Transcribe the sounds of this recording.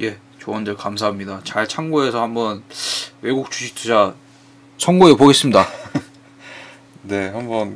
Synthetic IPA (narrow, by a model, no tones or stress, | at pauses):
je̞ | t͡ɕoʌndɯɭkamsʰaɦamɲidat͡ɕaɭt͡ɕʰaŋɡoe̞sʰʌhambʌnwe̞ɡuk̚t͡ɕ͈uɕʰitʰed͡ʑa | sʰʌŋɡoepoɡe̞s͈ɯmɲida | ne̞ɦambʌn